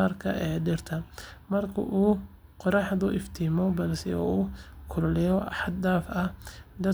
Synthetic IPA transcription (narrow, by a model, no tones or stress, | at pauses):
arkʰɐ̰ʔɛːɖɪrt̪ʰɐmɐrkʰʊ̰ʔuː | qɔɾɑħðʊʔɪft̪ʰiːmɔbɐlsɛɔ̰uːkʰʊllɛjɔɑħɑd̪̚d̪aːfɐd̪ɐ